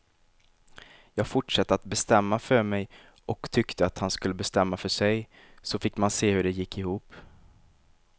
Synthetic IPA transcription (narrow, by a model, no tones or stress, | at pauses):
jɑːɡ̥fʊʈʂat̪ːəat̪̚bɛst̪ɛmːafœɾmɛj | ʔɔkt̪ʰʏkt̪ʰəat̪hanskɵlːəbɛst̪ɛmːafœʂɛj | sɔfɪkːmanseːhɵɖɛjɪkːɪhuːp